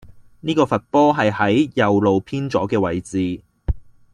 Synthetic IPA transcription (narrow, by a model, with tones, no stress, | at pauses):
niː˥kɔː˧fɐ˨t̚pɔː˥ɦɐ˨jhɐ˨˥jjɐ˨wlo˨wpʰiː˥nt͡sɔː˨˥kɛː˧wɐ˨jt͡siː˨